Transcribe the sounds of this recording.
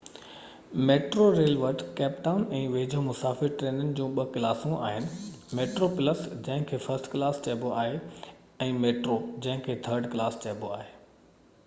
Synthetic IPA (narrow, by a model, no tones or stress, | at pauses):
meːʈɾoɾeːlʋəɾʈkɛːpʈaːʊnɛ̃ːʋeːd͡ʑʱomʊsaːfɪɾʈɾeːnənɪ̆d͡ʑũːɓɐkɪlaːsũʔa̰ːɦɪnɪ̆meːʈɾopɪləsd͡ʑɐ̃ɦɪ̃kʰeːfɐsʈkɪlaːst͡ɕeːboaːɦe | ɛ̃ːmeːʈɾod͡ʑɐ̃ɦɪ̃kʰeːt̪ʰəɾɖklaːst͡ɕeːboaːɦeː